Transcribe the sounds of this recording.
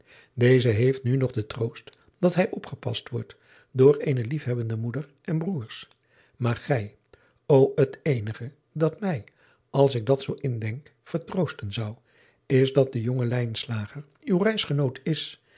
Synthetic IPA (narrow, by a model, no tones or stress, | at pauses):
dejzəɦejftnynɔχdətrowst | d̥ɑtɦɛjʔɔpχəpɑ̰stʋɔɹt | dʊːɹejnəlifɦɛbəndəmudəɹʔɛnbruːɹs | maːɹχɛj | owətejnəχə | dɑtmɛj | ʔɑlˠsɪɡ̚dɑtsowʔɪndɛŋk | fəɹtrowstənzʌw | ɪzdɑt̚dəjoŋəlɛjnslaːχəɹ | ywrɛjsχənowtɪs